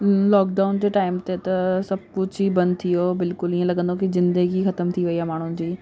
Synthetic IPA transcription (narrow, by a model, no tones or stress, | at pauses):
lɔːkɖaːʊnd͡ʑeːʈaːɪmt̪et̪ɐsɐb̚kʊt͡ɕibɐ̃nd̪t̪ʰijobɪlkʊliːə̃lɐɠə̃nd̪okizɪ̃nd̪əɡixɐt̪əmt̪ʰiʋɐiaːmaːɳ̤ʊnɪ̆d͡ʑiː